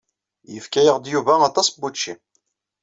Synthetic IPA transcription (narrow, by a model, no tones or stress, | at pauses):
jəfkæjəʁd̪juvæɑt̪ˤːɑsˤbut͡ʃːḭ